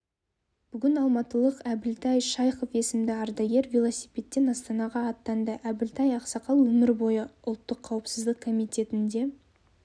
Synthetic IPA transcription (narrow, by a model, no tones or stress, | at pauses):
b̥ʏɡʲɪnɑlˠmɑt̪əlˠəqæbɪlt̪ʰæjʃɑjqofe̞sɪmd̪ɪɑɾd̪ɑjɡe̞ɾvʲilˠosipʲe̞t̪ːe̞nɑst̪ɑnɑʁɑːt̪ːɑnd̪əʔæbɪlt̪ʰɑjɑqsɑqɑlˠwɵmɪɾbo̞jəʊlˠt̪ːəqʰːɑwəpsəzd̪əqkʰo̞mijt̪ʲe̞t̪ɪnd̪e̞